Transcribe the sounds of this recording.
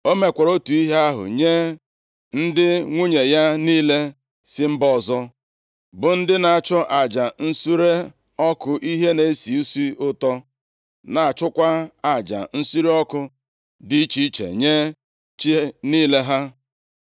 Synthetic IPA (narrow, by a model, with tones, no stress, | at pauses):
o˦me˨kʷɔ˨ɾo˦tu˨i˦ɦe˦a˦ɦʊ̰˨ɲe˦ | n̩˦dɪ˦ŋʷu˦ɲe˨ja˦niː˦le˦ | sɪ˦m̩˦bɔ˦˨zɔ˦ | bʊ˨n̩˦dɪ˦na˨t͡ʃɔ˦ʔa˨d͡ʒa˨n̩˦su˦ɾe˦ | ɔ˦kʊ˦ʔi˦ɦe˦ne˨˦si˨u˦si˦ʊ˦tɔ˦ | na˨a˨t͡ʃʊ˦kʷa˦a˨d͡ʒa̰˨n̩˦su˦ɾe˦ɔ˦kʊ˦ | dɪ˦t͡ʃi˦t͡ʃḛ˨ɲe˦ | t͡ʃi˦niː˦le˦ɦa˦